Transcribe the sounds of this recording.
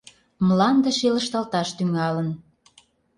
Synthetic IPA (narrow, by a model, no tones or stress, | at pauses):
mlɑnd̪ə̆ʃelə̆ʃt̪ɑlt̪ɑʃt̪yŋɑlən